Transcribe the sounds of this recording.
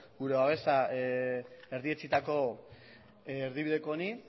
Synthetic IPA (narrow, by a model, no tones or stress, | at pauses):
ɡuɾe̞βaβ̞e̞sa | e̞ɾðie̞t͡sit̪ako̞ | ɾðiβiðe̞koːni